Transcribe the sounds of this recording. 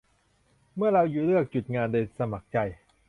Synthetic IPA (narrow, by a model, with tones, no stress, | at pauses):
mɯ˥˩ɐɾa˧wjuː˨˩lɯ˥˩ək̚t͡ɕu˨˩t̪̚ŋaː˧ndoː˧sa˧ma˨˩k̚t͡ɕa˧j